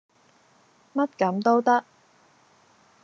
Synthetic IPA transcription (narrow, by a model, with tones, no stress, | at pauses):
mɐ˥t̚kɐ˨˥mt̪o˥wt̪ɐ˥k̚